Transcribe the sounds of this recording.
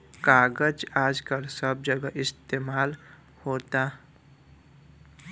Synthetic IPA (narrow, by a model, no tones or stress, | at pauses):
kaːɡəd͡ʒaːd͡ʒkəlsəb̚d͡ʒəɡaʔɪst̪eːmaːl | hoːt̪a